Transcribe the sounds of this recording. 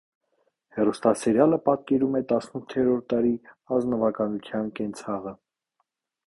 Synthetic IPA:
hɛrust̪ɑsɛɾjɑləpɑt̪̚kɛɾumɛt̪ɑsnut̪ʰːɛɾɔɾt̪ːɑɾi | ɑznɔvɑkɑnut̪ʰjɑnkɛnt͡sʰɑʁə

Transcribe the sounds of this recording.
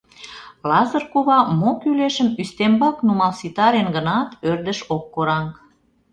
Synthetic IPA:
lɑzə̆rkuβɑmokyleʃəmyst̪embɑknumɑlsit̪ɑɾenɡənɑt̪ørd̪əʃokːoɾɑŋk

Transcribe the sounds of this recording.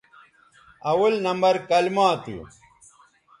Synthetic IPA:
ɐwɐlnɐmbɐɾkɐlmaːt̪ṵ

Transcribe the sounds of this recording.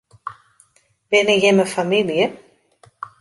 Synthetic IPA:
bɪnəjɪməfamiljə

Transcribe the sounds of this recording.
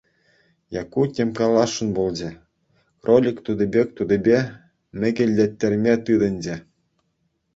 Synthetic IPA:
jɑkːutʲemkɑlˠɑʂːɤ̆nbolˠd͡ʑɘ̆ | krolʲikt̪ud̪ɘ̆bʲek̚ʲt̪ud̪ɘ̆bʲe | mʲɘ̆ɡʲɘ̆lʲːĕt̪ʲːĕrʲmʲet̪ɯd̪ɤ̆nʲd͡ʑɘ̆

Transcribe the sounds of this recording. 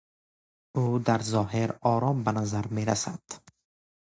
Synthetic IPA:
ud̪aɾzɔːɦeɾɔɾɔmbanazaɾmeɾa̰sad̪̥

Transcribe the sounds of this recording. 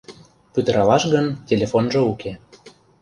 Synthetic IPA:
pyt̪ə̆ɾɑlɑʃɣəntʲelʲefonʒɤ̆uke

